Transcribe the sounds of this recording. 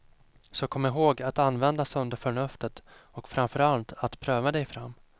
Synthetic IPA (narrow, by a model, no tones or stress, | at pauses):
sɔkʰɔmːɪɾɦoːɡat̪anːvɛnd̪asɵnd̪əɾfœɳɵft̪ət̪ɔkfɾamfœɾalt̪at̪pʰɾøːvad̪ɛjfɾa̰mː